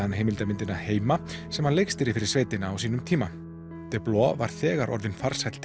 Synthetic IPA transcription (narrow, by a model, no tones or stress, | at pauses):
anɦejmɪlt̪amɪnt̪ɪnaheːjmasɛmhanlejkst̪ɪɾɪfɪɾɪ̥ɾsveːjt̪ɪnaːwsiːnʏmt̪ʰiːma | t̪ɛplɔːva̰ɾ̥θɛːɣaɾʔɔ̰ɾðɪnfaɾ̥shajt̪l̥t̪